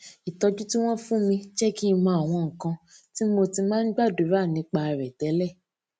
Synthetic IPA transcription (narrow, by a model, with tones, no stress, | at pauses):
i˨tɔ˧d͡ʒu˦ti˦w̃ɔ̃˦fũ˦mĩ˧ʃɛ˦ki˦˧mã˧˦a˨w̃ɔ̃˧ŋ̩˨kã˧ti˦mo˧ti˧mãː˦n̩˦ɡ͡ba˦˨du˨˦ɾa˦˨nĩ˧˦k͡pa˧ɾɛ˨dɛ˨˦lɛ˦˨